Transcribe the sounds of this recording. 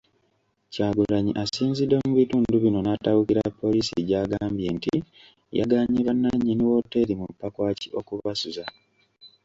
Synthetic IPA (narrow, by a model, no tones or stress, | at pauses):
caːɡulaɲiʔasiːnzide̞muβituːnduβino̞natawukiɾapːo̞lisiɟaːɡaːmbje̞ːntḭ | ja̰ɡaɲiβanːaɲːiniwo̞tːeɾimupːakwaːciʔo̞kuβasuza